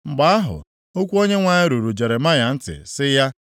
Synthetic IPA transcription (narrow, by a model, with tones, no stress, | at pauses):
ŋ͡m̩˨ɡ͡ba˨a˦ɦʊ̰˨ | o˦kʷu˦o˦ɲe˦ŋʷa˨ɲɪ˦ɾu˨ɾu˨d͡ʒe˨ɾe˨ma˦ja˨n̩˦tɪ̰˨sɪ˦ja˦